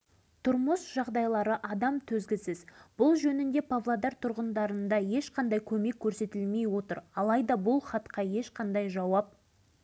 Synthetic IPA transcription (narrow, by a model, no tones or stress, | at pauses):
t̪ʰʊɾməsʒ̥ɑʁd̪ɑjlˠɑɾəʔɑd̪ɑmt̪ʰɵzɡʲɪsɪzb̥ʊlˠʒɵnɪnd̪e̞pʰavlˠad̪ɑɾt̪ʰʊɾʁənd̪ɑɾənd̪ɑje̞ʃqʰɑnd̪ɑjkʲʰɵme̞kʲʰːɵɾse̞t̪ɪlme̞jwo̞t̪əɾɑlˠɑjd̪ɑbʊlˠχɑt̪qɑje̞ʃqʰɑnd̪ɑjʒɑwɑp̚